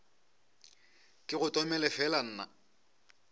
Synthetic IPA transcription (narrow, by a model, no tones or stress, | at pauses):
kʼɪɣʊtʼɔmɛlɛfɛlan̩ːna̰